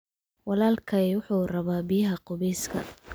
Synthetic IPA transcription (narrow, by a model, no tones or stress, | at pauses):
wɑlaːlkʰɐɛwʊħuːrɐβaːbɪjɐɦɐqʊβɛjskʰɐ̰